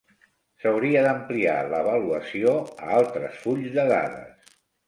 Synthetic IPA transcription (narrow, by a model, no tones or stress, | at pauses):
səwɾiəðəmplia̰ləβəluəsioə̰alˠt̪ɾəsfuʎzðəða̰ðə̰s